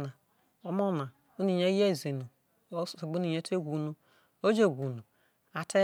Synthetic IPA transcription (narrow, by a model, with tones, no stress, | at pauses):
na˨ | o˦mo˦˨na˨ | u˦ni˨ɲe˦je˦˨ze˨nu˨˦˨ | sɡ͡bu˦i˨ɲe˦tʰe˦ɡʷu˨nu˦ | o˦d͡ʒe˨ɡʷu˨nu˨ | a˨tʰe˦